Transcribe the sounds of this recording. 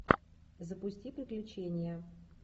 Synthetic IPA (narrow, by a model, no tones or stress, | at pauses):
zəpʊsʲtʲipɾʲɪklʲʉt͡ɕenʲɪjə